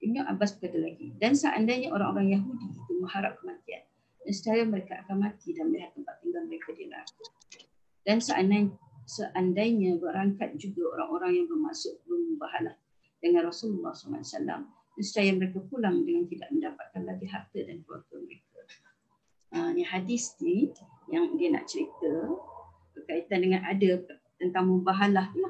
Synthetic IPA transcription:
ʔibnaʔabasbəkadalaɡidansəʔa̰ndajɲaʔoɾaŋʔoɾaŋjaɦudiit̪uməhaɾap̚kəmat̪ia̰n | dansu̥t̪iajaməɾekaʔakanmat̪idanməliɦat̪ːəmpat̪ːəŋɡaməɾekadialɾa̰ku | d̥ansəʔanaj | səʔandaiɲə̃bərɾaŋkat̪̚d͡ʒuɡaoɾaŋoɾaŋjaŋbərmasʊʔbəmubaɦalah | dəŋãnrasululːɑ̰hslla̰sa̰la̰m | dansut͡ʃajaməɾekapulaŋdəŋant̪ida̰ʔ̚məndapat̪̚kanlaɡiɦart̪ədanklua̰rɡəməɾekʰa | aniɦadisdi | jaŋdiəna̰ʔt͡ʃəɾit̪ə | b̥ərkait̪andəŋãnada | t̪ənt̪aŋməmbaɦalaht̪ulah

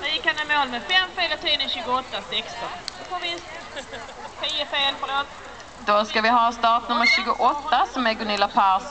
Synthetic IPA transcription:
dajɪkhanɛmoːlmɛfɛmfeːlət̪ʰiːnəɕʉːɡʊɔt̪ːasɛkst̪ɔnpʰɔvɪnst̪ | t̪ʰiːəfeːlfœloːt̪ | d̪ɔskavɪɦɑːst̪ɑːʈnɵmːəɾɕʉːɡʊʔɔt̪ːasɔmæɾɡʊnɪlːapʰaɾs

